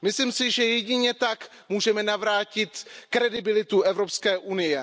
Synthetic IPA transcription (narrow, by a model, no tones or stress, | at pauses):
mɪslimsɪʒɛjɛɟɪɲɛt̪ak | muːʒɛmɛnavɾaːcɪt̪kɾɛdɪbɪlɪt̪uʔɛvɾo̞pskɛːʔunɪjɛ